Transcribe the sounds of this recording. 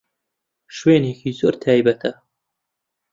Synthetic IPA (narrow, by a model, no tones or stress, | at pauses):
ʃweːneːkʰiːzoːɾt̪ʰaːjbɐt̪ʰɐ